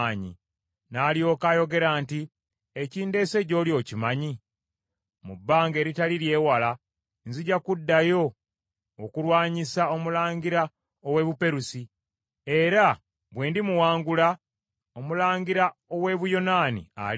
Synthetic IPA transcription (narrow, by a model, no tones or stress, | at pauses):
ɲḭ | naːlijo̞ːkajo̞ɡe̞ɾaːnti | eciːnde̞ːse̞ɟo̞ːljo̞ːcimaɲi | mubːaːŋɡe̞ːɾitaliɾje̞ːwala | nziɟakudːajo̞ː | kuɾwaːɲisao̞mulaːɲɡiɾa | owe̞ːβupe̞ɾusi | e̞ɾa | βwe̞ːndimuwaːŋɡula | omulaːɲɡiɾao̞we̞βujo̞naːnḭa̰